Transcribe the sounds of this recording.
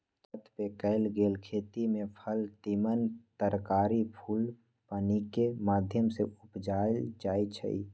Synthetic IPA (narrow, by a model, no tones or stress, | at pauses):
t̪ət̪ʰpekəɪlɡeːlkʰeːt̪imẽpʰəlt̪imənt̪əɾkaːɾipʰuːl | paːnikemaːd̪ʱjəmseʔʊpd͡ʒaːld͡ʒaːit͡ʃʰə̰ḭ